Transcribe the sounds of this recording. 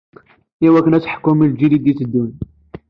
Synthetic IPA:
ʔiwæknæt͡sħkːumild͡ʒid̪id̪jit̪əd̪ːun

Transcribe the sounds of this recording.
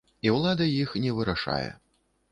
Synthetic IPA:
iwlˠad̪ɐjixnʲɛvɨɾaʂa̰jɛ̰

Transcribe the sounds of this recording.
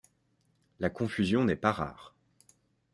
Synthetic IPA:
lakɔ̃fyzjɔ̃nɛpaʁa̰ːʁ

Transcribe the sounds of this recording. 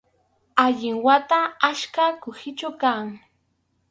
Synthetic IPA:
aʎɪŋwat̪aaʃkakʊhɪt͡ʃʊkaŋ

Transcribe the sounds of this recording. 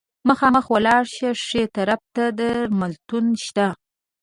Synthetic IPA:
məxɑməxwəlɑɽʃaʂet̪aɾab̚t̪ad̪əɾmalt̪unʃt̪a

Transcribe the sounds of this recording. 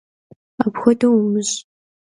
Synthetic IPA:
apxʷɔdɐwumɨɕ

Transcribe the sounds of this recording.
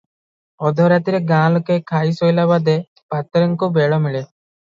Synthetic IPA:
ɔd̪ʱɔɾat̪iɾeɡãːlɔkekʰaisɔjlabad̪e | pat̪ɾɔŋkubeɭɔmiɭe

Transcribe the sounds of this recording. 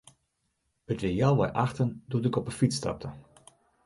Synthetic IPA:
ətʋɪlˠjawʋa̰jʔɑχtəndutɪkɔpənfitstɑ̰p̚tʰə

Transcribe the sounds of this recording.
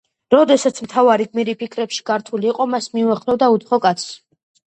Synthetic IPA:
ɾɔd̪ɛsat̪sʰmt̪ʰavaɾiɡmiɾipʰikʰɾɛpʃi̥ɡ̥aɾt̪ʰuliːqʼɔmasmiuaχɾɛvd̪aut̪χɔkʼat̪sʰ

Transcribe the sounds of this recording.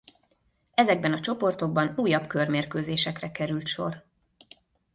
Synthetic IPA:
ɛzɛɡ̚bɛnɒt͡ʃo̞po̞rt̪o̞ɡ̚bɒnuːjːɒbkørmeːrkøːzeːʃɛkrɛkɛɾylt̪ʃo̞̰r

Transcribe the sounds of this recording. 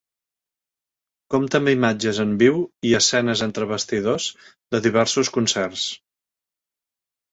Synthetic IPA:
komt̪əmimad͡ʒəzəmbiwiəsɛnəzənt̪ɾəβ̞əst̪iðozd̪əðiβ̞ɛɾsuskunsɛrs

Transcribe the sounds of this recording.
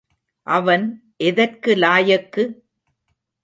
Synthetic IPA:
ʔɐʋɐn | ʔɛðɐrkɯlaːjɐkːɯ

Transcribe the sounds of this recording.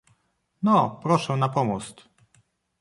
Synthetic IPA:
nɔpɾɔʂɛnapɔmust̪

